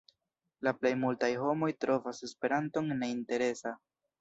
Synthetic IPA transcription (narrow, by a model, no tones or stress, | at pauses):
laple̞jmultajɦo̞mo̞jtɾo̞vase̞spe̞ɾanto̞ŋne̞inte̞ɾe̞sa